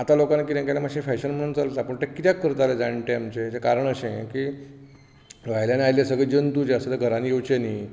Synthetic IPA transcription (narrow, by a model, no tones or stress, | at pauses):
at̪alokanak̬it̪ẽŋkeljamaɕĩfɛɕənm̤əɽ̃uːnt͡salt̪apəɳʈ̪ekit̪jakːəɾt̪aled͡zaɳʈeamt͡ɕed͡ʑekaɾəɳəɕẽki | ʋajljaneajljesəɡɭid͡ʑənt̪uːd͡ʑeəsat̪əɾɡʱəɾãnijewt͡ɕeniː